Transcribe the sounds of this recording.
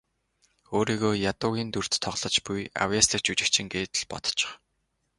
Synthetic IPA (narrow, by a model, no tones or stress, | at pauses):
oːɾiːɣoːjat̪ʊːɣʲiːnt̪ur̥t̪ʰːɔʁɮ̥ɞ̆t͡ɕpuja̰wjaːsɮĭk̚t͡ɕut͡ɕɪ̆kt͡ɕʰɪ̆ŋɡeːt̪̆ɮpɔ̰t̪ɞ̥t͡ɕɪ̥̆χ